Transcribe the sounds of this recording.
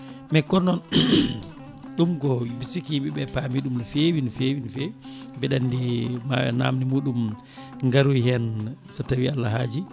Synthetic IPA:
mɛkɔnɔn | ɗumɡɔbisikiɓiɓɛpamiɗumfewinfewinfew | bɛɗandima̰ɓɛ̰na̰mnimuːɗum | ŋɡaɾujhɛnsatawialːaɦaːd͡ʒi

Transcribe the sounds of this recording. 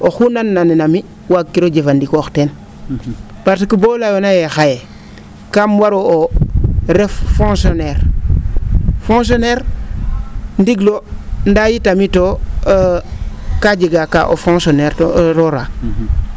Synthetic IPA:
oxunanːaninami | wakːiɾod͡ʒefandikoxten | paɾtikubolajonajexaje | kamwaɾooɾeffõŋsoneɾ | fõŋs̬oneɾ | ndiɡlondajitamito | kad͡ʒiɡaka̰ʔo̰fõŋsoneɾtoɾoɾa

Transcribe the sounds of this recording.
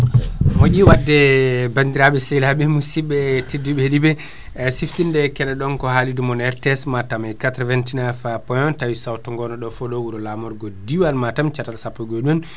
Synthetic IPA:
moɟiwadːɛbandiɾaɓɛsɛlaɓɛmusibːɛtidːuɓɛlibɛ | siftindɛkɛlɛɗɔnkɔhalidumɔnɛɾtɛsmatamajkatɾɔvantinafapɔjɔntawisawtɔŋɡɔnɔɗɔfɔɗɔwuɾɔlamɔɾɡɔdiwalmatamt͡ʃatalsapːɔɡɔɗun

